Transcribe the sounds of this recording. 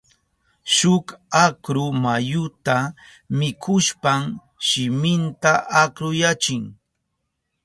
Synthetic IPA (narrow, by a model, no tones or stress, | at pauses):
ʃʊkakɾʊmajʊt̪a | mɪkʰʊʃpam | ʃɪmɪnt̪aʔakɾʊjat͡ʃɪŋ